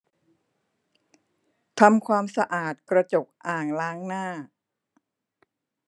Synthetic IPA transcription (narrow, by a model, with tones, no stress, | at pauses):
t̪ʰa˧mkʰwaː˧msa˧ʔaː˨˩t̪̚kɾa˧t͡ɕo˨˩k̚ʔaː˨˩ŋlaː˦˥ŋnaː˥˩